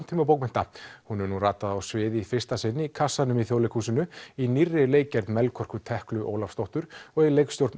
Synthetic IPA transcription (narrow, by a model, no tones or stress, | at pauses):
n̥t̪ʰiːmap̬oːwkmɪn̥t̪ahunɛɾnuraːt̪aðawsvɪːðɪifɪr̥st̪asɪnːikʰasːanʏmiθjowlɪkʰusɪnʏinirːɪleːjcɛɾt̪mɛlkʰɔr̥kʏt̪ʰɛhklʏʔo̰ːwlafst̪owht̪ʏɾɔɣilejkst̪jowɾt̪n